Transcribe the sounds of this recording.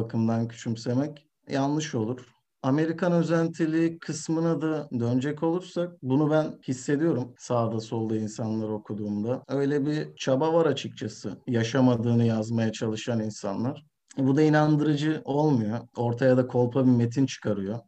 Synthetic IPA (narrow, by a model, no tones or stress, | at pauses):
akʰɯmd̪ancʰy̥t͡ʃʰymse̞mɛc | janˠlːˠɯʃo̞lˠuɾ̥ | ame̞ɾikʰanøzænt̪ʰilʲiːkʰɯsmɯnɯd̪ad̪ø̞nd͡ʒɛcʰo̞lˠuɾsak̚bunubænhisːe̞d̪ijo̞ɾumsaːd̪aso̞lˠd̪ɯːinsanlˠaɾo̞kʰud̪uːmd̪aø̞jlʲɛbit͡ʃʰabavaɾat͡ʃʰɯk̚t͡ʃʰasɯjaʃamad̪ɯːnɯjazmajat͡ʃʰalˠɯʃaninsa̰nlˠaɾ̥ | ɛbud̪ainand̪ɯɾɯd͡ʒɯʔo̞lˠmujo̞o̞ɾt̪ʰajad̪akʰo̞lˠpʰabime̞t̪ʰint͡ʃʰɯ̥kʰaɾɯjo̞